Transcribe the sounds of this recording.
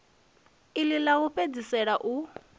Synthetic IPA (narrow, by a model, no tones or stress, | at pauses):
ililaɣuɸed͡zisɛɺaʔu